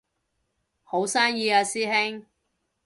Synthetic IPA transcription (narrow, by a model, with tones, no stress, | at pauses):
ho˨˥wsaː˥ŋjiː˧aː˧siː˥hɪ˥ŋ